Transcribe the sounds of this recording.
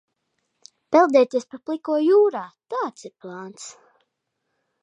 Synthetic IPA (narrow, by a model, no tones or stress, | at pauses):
pɛlˠd̪ɛːt̪ʲiɛspaplˠikuɔjuːɾaːt̪aːt̪siɾplˠaːnt̪s